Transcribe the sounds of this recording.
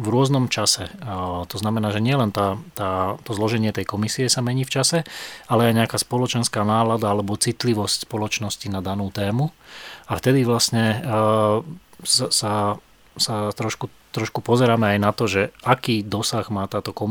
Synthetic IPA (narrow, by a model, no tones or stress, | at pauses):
vɾʊɔznɔmt͡ʃasɛt̪ɔznamɛnaːʒɛɲɪɛlɛnt̪aːt̪aːt̪ɔzlɔʒɛɲɪɛt̪ɛjkɔmisiɛsamɛɲiːft͡ʃasɛalɛajɲɛakaːspɔlɔt͡ʃɛnskaːnaːlad̪aalɛbɔt͡sit̪liʋɔscspɔlɔt͡ʃnɔscinad̪anuːt̪ɛːmuaft̪ɛd̪iʋlasɲɛ | sasa | sat̪ɾɔʃkut̪ɾɔʃkupɔzɛɾaːmɛajnat̪ɔʒɛakiːd̪ɔsaɣmaːt̪aːt̪ɔkɔ